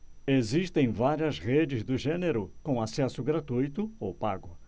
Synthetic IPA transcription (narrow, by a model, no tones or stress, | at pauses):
eziʃt̪ẽj̃vaɾiɐzʁed͡ʒɪzd̪ʊʒẽneɾʊkõw̃asɛsʊɡɾat̪ujt̪ʊowpa̰ɡʊ